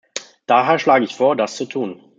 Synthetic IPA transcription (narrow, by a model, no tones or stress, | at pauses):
d̥aːɦeːɐʃlaːɡəɪçfoːɐdast͡sutʰuːn